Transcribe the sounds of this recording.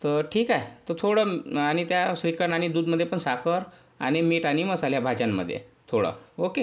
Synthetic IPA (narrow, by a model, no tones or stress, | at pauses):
t̪əɾʈʰiːkaɦet̪ət̪ʰoɽəaɽ̃it̪jasɾikəɾɳaɽ̃id̪uːd̪məd̪ʱːjepəɳsakəɾ | a̰ɽ̃imiʈaɽ̃iməsaljabʱad͡ʑamːə̰d̪ʱːjḛt̪ʰoɽə̰oke